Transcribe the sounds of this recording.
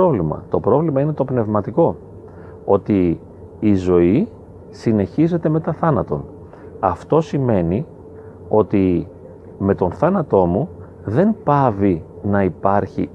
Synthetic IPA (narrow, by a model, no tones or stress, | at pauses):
ovlimɐ̰t̪o̞pɾo̞vlimɐine̞t̪o̞pne̞vmɐt̪iko̞ | o̞t̪iː | zo̞i | sine̞çize̞t̪e̞me̞t̪ɐθɐnɐt̪o̞̰n | ɐft̪o̞sime̞ni | o̞t̪i | me̞t̪o̞nθɐnɐt̪o̞mu | ðe̞npɐvinɐipɐɾçḭ